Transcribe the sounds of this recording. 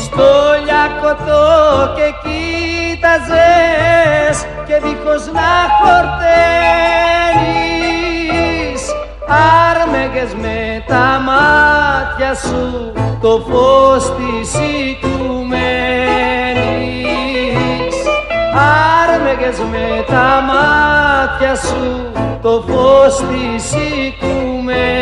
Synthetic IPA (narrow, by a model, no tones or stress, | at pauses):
st̪oʎakot̪okekit̪aze | s | keðikoznakoɾt̪e | ni | s | aɾmeɣezmet̪amat̪jasu | t̪opost̪isik̪ume | ni | saɾmeɣezmet̪amat̪jasu | t̪opost̪isik̪ume